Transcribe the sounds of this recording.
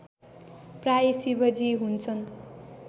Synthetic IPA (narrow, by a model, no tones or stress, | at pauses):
prajesibʌd͡zʱiɦunt͡sʰʌn